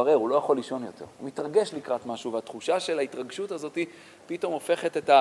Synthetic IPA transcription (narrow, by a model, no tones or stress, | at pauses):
aʁeʁulo̞jaχo̞liʃo̞njo̞tʰe̞̰ʁumit̪ʁaɡe̞ʃlikʁat̪maʃuveat̪χuʃaʃe̞laitʁaɡʃutazo̞t̪i | pito̞mo̞fe̞χet̪eta